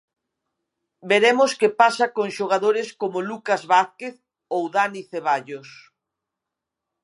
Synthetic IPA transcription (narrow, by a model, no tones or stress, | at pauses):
beɾemʊskepasakoŋʃoɣ̞aðoɾɪskomolukazβaθkeθ | owðaniθeβ̞aʎos